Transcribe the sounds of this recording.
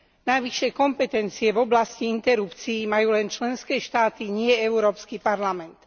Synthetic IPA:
najʋiʃːɪɛkɔmpɛt̪ɛnt͡siɛvɔblasciint̪ɛɾupt͡siːmajuːlɛnt͡ʃlɛnskɛːʃt̪aːt̪iɲɪɛɛuɾɔːpskipaɾlamɛnt̪

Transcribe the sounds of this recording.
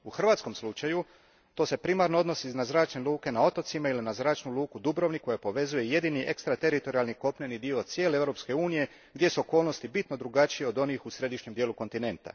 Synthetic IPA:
uxr̩ʋaːt̪sko̞mslˠut͡ʃaju | t̪o̞ːse̞pɾimaɾnoo̞d̪no̞siiznazɾaːt͡ʃnelˠuːke̞nao̞t̪o̞t̪simailinazɾaːt͡ʃnuluːkud̪ubɾo̞ʋniko̞japo̞ʋe̞zuje̞je̞d̪iniʔe̞kst̪ɾat̪e̞ɾit̪o̞ɾialniko̞pɲenid̪iot̪sje̞ːleeʋɾo̞pske̞uːnije̞ | ɡd̪je̞suo̞ko̞ːlno̞st̪ibit̪no̞d̪ɾuɡat͡ʃijeo̞d̪o̞niːxusɾe̞d̪iʃɲe̞md̪jeːluko̞nt̪ine̞nt̪a̰

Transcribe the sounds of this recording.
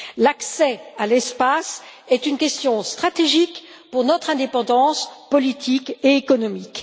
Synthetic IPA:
laksɛalɛspas | ɛt̪ynkʲɛst̪jɔ̃st̪χat̪eʒik | puʁnɔt̪χɛ̃d̪epɑ̃d̪ɑ̃spɔlit̪ʰikeekɔnɔmik

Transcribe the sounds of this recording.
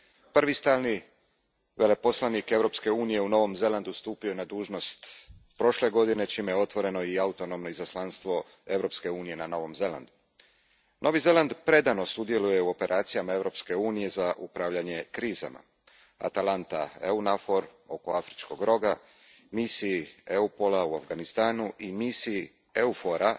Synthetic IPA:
pr̩ʋist̪aːlˠni | ʋe̞le̞po̞slˠanike̞ʋɾo̞pske̞uːnije̞uno̞ʋo̞mze̞land̪ust̪uːpionad̪uːʒno̞st̪pɾo̞ʃle̞ɡo̞d̪ine̞t͡ʃiːmejeo̞t̪ʋo̞ɾe̞no̞iaut̪o̞no̞mno̞izaslˠanst̪ʋo̞ | e̞vɾo̞pske̞uːnije̞nano̞ʋo̞mze̞la̰nd̪u | nʔo̞ʋize̞land̪pɾe̞d̪ano̞sud̪je̞luje̞uo̞pe̞ɾʔaːt̪sijamae̞vɾo̞pske̞uːnije̞zaʔupɾaːʋʎaɲe̞kɾiːza̰ma̰ | a̰t̪alˠant̪aeunafo̞ɾo̞ko̞afɾit͡ʃko̞ɡɾo̞ɡa | misiieupo̞lauafɡanist̪aːnuʔimisii | eufo̞ɾa

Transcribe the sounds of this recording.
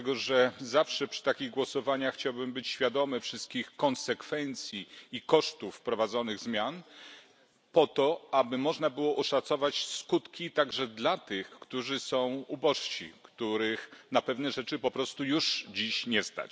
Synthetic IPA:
tɛɡɔʐɛzafʂɛpʂɘ̥t̪akʲiɣɡwɔsɔvaɲaxːt͡ɕawbɘmbɘt͡ɕɕfʲjad̪ɔmɘfʂɘst̪̚kʲixkɔnsɛkfɛnt̪sʲjiːkɔʂt̪ufpɾɔvad̪zɔnɘɣzmʲjan | pɔt̪ɔabɘmɔʐnabɘwɔʔɔʂat̪sɔvat͡ɕskut̪kʲit̪aɡʐɛd̪lat̪ɘxkt̪uʐɘsɔ̃w̃ubɔʂɕḭkt̪uɾɘxnapɛvnɛʐɛt͡ʂɘpɔpɾɔst̪ujuʂd͡ʑiɕɲɛst̪a̰t͡ɕ

